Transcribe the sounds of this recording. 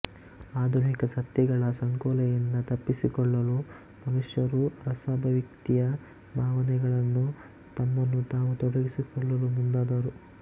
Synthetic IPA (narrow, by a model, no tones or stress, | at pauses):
aːd̪ʱunikɐsɐt̪jɛɡɐɭɐsɐŋkɔːlɛjind̪ɐt̪ɐpːisikɔɭːɐlu | mɐnuʂjɐɾuɾɐsaːbʱɐʋik̚t̪ijɐ | bʱaːʋɐnɛɡɐɭɐnːu | t̪ɐmːɐnːut̪aːʋut̪ɔɽɐɡisikɔɭːɐlumund̪aːd̪ɐɾu